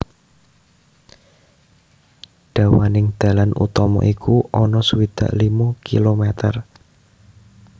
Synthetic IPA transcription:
ɖ̪̥ä̤wanɪŋd̪̥ä̤lanʔṵt̪ɔmɔ̰ʔikʰuʔɔnɔsuwid̪̥ä̤ʔlimukḭlomet̪ər

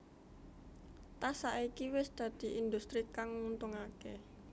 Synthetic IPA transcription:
t̪asaʔikiwɪsd̪̥ä̤d̪̥i̤ʔind̪ust̪ɾikaŋmunt̪ʊŋake

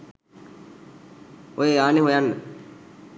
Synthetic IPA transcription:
ojeaːneɦojanːə

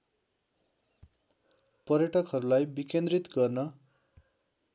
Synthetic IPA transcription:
pʌrjʌʈʌkɦʌɾulajbikend̪rit̪ɡʌrnʌ

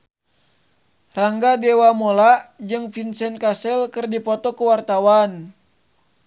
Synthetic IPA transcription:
raŋɡadɛwamolad͡ʒɨŋfinsɛnkasɛlkɨrdipɔt̪ɔkəwart̪awan

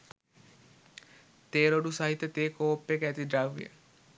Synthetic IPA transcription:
t̪eːɾoɖusɐɦit̪ːət̪eːkoːpːekæt̪iɖɾaʋḭə̰

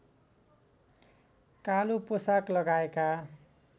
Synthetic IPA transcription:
kaluposaklʌɡaeka

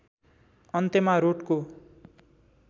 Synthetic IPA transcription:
ʌnt̪emaɾoʈko

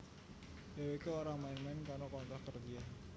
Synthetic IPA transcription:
jawekuoɾamainmɛnkaɾokɔnt̪ɔhkərd͡ʒia

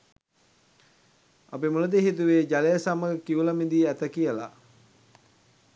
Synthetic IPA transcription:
apimuləd̪eɦit̪̬uʋeːd͡ʒalejəsaməkiuləmid̪iæt̪əkijəla̰

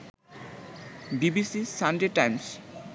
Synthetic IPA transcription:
bibisisanɖeʈajms

